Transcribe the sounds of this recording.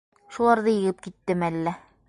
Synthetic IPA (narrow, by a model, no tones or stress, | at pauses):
ʃulˠɑɾðɤjɤ̆ɡɘp̚kit̪ːɘmælːæ